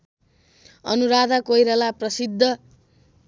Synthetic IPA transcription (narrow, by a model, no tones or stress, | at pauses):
ʌ̰nuɾad̪akojɾʌlaprʌsid̪ʱːʌ